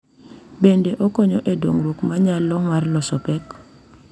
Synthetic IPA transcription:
bendeʔɔkɔɲɔʔedoŋɾukmaɲalːɔŋarlɔsɔpɛk

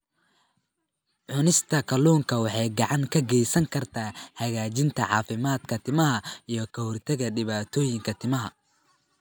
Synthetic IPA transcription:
ʕʊnɪst̪ʰɐkʰɐluːŋkʰɐwɑħɑjɡɑʕɑŋkʰɐɡɛjsɐŋkʰɐrt̪ʰaːhɐɣaːt͡ʃɪnt̪ʰɐʕɑ̰ːfɪmaːd̪kʰɐt̪ʰɪmɐɦɐijɔkʰɐhɔrt̪ʰɐɣɐɖɪβaːt̪ʰɔːjɪŋkʰɐt̪ʰɪmɐɦɐ

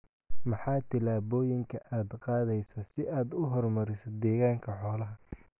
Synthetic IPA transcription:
mɑħɑːt̪ʰɪlaːβɔːjɪŋkʰɐʔaːd̪qɑːðɛjsɐsɪaːd̪ʊɦɔrmɐɾɪsɐd̪ɛːɣaːŋkʰɐħɔːlɐɦɐ

